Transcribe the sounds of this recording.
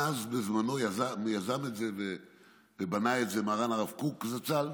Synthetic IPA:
azbezmano̞jazamjazame̞tzeve | vebanaetze̞maʁanaʁafkukzat͡sal

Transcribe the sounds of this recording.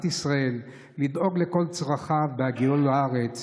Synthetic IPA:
t̪isʁae̞lː | id̪ʔo̞ɡle̞ko̞lt͡sʁaχabeaɡiulaaʁet͡s

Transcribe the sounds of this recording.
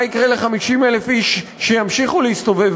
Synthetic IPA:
ikʁeleχamiʃimele̞fiʃːejamʃiχulehist̪o̞vev

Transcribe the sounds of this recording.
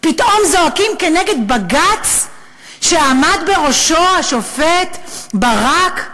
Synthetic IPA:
pitʔo̞mzo̞akimke̞neɡe̞d̪baɡat͡s | ʃeamad̪be̞ʁo̞ʃo̞aʃofet̪baʁak

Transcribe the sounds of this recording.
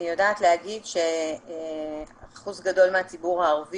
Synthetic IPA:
ijodaːt̪lehaɡidʃe̞ | aχuzɡado̞lmeat͡sibuʁhaːʁvi

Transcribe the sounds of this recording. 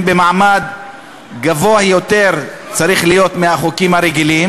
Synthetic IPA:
bemaʕmad̪ | ɡavo̞ajo̞t̪e̞ʁ | t͡saɾiχlijo̞t̪mehaχukimhaɾeɡilim

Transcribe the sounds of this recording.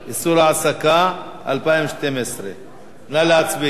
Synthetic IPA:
isuɾaʕasaka | ʔa̰lpaimʃt̪emesɾe | nalat͡sbi

